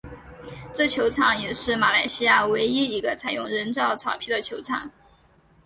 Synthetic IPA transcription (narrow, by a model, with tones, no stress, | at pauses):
ʈ͡ʂɤ˥˩t͡ɕʰjo˧˥ʊʈ͡ʂʰɑ˨˩˦ŋjɛ˨˩ʂɻ̩˥˩ma˨˩la˧˩ɪɕi˥ja˥˩we˧˥ɪi˥i˧˥ɡə˧t͡sʰa˨˩ɪjʊ˥˩ŋɻə˧˥nʈ͡ʂɑ˥˩ʊt͡sʰɑ˨˩ʊpʰi˥˩d̪ə˩t͡ɕʰjo˧˥ʊʈ͡ʂʰɑ̰˨˩˦ŋ